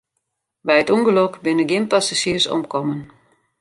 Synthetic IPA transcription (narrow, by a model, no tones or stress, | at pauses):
bɛjətuŋɡəlɔkbɪnəɡɪnpasaʃiərsɔ̰mkɔmən